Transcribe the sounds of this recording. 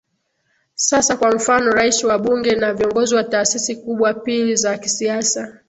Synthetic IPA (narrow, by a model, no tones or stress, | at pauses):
sasakwam̩fanɔɾaisiwaɓuŋɡɛnaviɔŋɡɔziwataːsisikuɓwapilizakisiasa